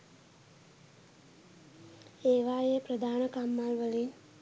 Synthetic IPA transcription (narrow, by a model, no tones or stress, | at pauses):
eːʋaːjepɾɐd̪ʱaːɳɐkaːmːaːlʋəli